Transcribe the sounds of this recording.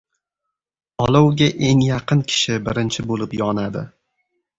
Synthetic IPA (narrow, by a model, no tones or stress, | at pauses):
ɒlˠɒwɡʲaʔe̞ŋjɑqʰɨnkʲʰɪ̥ʃɪbɪɾɪnt͡ʃʰɪbolɪpjɒnad̪ɪ